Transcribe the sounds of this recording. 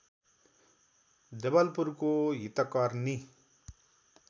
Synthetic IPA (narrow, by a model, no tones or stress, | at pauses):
d͡zebʌlpuɾkoɦit̪ʌkʌɾni